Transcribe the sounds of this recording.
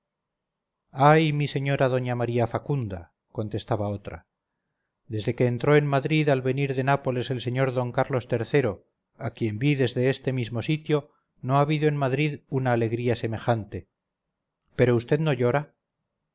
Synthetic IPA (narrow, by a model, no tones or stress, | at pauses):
ajmise̞ɲo̞ɾaðo̞ɲamaɾiafakund̪a̰ | ko̞nt̪e̞st̪aβao̞t̪ɾa̰ | d̪e̞zðe̞ke̞ːnt̪ɾo̞enmaðɾiðalβe̞niɾðe̞napo̞le̞se̞lse̞ɲo̞ɾðo̞ŋkaɾlo̞st̪e̞ɾθe̞ɾo̞ | akje̞mbiðe̞zðe̞est̪e̞mizmo̞sit̪jo̞ | no̞aβiðoe̞nmaðɾiðunaːle̞ɣɾiase̞me̞xant̪e̞ | pe̞ɾo̞ust̪e̞ðno̞ʎo̞ɾa